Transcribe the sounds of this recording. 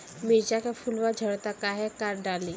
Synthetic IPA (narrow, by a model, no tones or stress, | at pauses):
mɪɾd͡ʒakapʰʊlwad͡ʒʱəɽt̪akaɦɛkaːɾɖaːli